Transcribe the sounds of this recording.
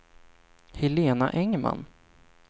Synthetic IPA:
hɛleːna̰ʔɛŋma̰nː

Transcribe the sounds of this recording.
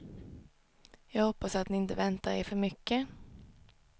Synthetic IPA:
jɑːɡhɔpːasat̪nɪɪnt̪əvɛnt̪aɾḛːɾfœɾmʏkːə

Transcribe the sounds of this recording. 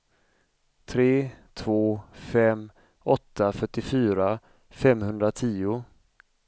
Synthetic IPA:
t̪ʰɾeːt̪ʰvoːfɛm | ɔt̪ʰːafœʈːɪfyːɾa | fɛmhɵnd̪ɾat̪ʰiːʊ

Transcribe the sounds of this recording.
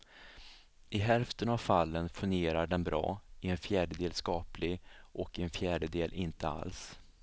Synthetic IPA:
ʔɪɦɛlft̪ənavfalːənfɵnɡeːɾaɖɛnbɾɑ̰ːɪɛnfjæːɖəd̪eːlskɑːplɪɡʔɔkɪɛnfjæːɖəd̪eːlʔɪnt̪əa̰ls

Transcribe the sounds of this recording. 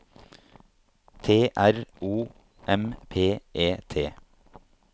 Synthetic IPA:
t̪ʰeːʔæɾuː | ʔɛmpʰeːʔeːt̪ʰeː

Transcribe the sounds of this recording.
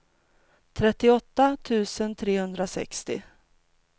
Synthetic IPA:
t̪ʰɾɛt̪ːɪɔt̪ːat̪ʰʉ̟ːsənt̪ʰɾeːhɵnd̪ɾasɛ̰kst̪ɪ̰

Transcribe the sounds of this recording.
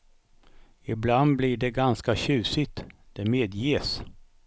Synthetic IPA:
ɪbland̪bliɖɛɡanskaɕʉ̟ːsɪt̪d̪̥ɛmeːd̪jis

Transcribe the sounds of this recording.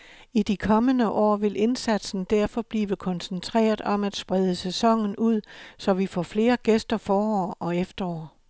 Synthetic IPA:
id̥ikʰɒ̽mənəʔɒ̰ːʋe̝lʔe̝nsæd̥sn̩d̥æɐ̰fɒ̽b̥liːʋəkʰɒ̽nsent͡sʰʁɛ̰ːɐðˠɒ̽mæd̥sb̥ʁɛð̞ˠəsesɒ̽ŋ̰n̩uð̰ˠsɒ̽ʋifɒ̰ːfle̝ːɐɡ̥esd̥ɐfɒːɒ̰ːɒ̽efd̥ɐɒ̰ː

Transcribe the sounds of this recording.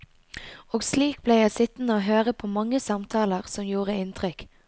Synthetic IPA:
oːɡsliːk̚blejæɪsɪt̪n̩əoːɦøːʁəpʰoːmɑŋːəsɑmt̪ʰɑːləʁsɔmjuːʁəɪnt̪ʰʁʏk

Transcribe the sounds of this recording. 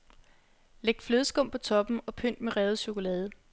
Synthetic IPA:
leɡ̥̚d̥fløðˠsɡ̥ɔ̽m̰pʰɒ̽t͡sʰɒ̽b̥m̩ɒ̽pʰøn̰d̥meʁɛːð̩ˠɕo̝ko̝lɛːð̞ˠə

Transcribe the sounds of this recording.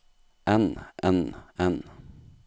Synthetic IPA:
ʔɛnʔɛnɛn

